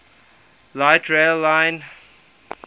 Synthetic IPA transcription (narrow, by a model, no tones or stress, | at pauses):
laɪtʰɹelːãɪ̃n